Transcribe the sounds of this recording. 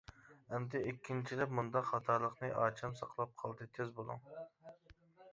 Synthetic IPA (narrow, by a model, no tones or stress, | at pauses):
ɛmd̪ɛʔikʲʰːint͡ʃʰilɛpmund̪ɑχɑt̪ʰɑɾlˠəqnɨʔɑːt͡ʃʰɑmsɑ̰qlˠɑp̚qʰɑlˠd̪ɨt̪ʰezbolˠṵŋ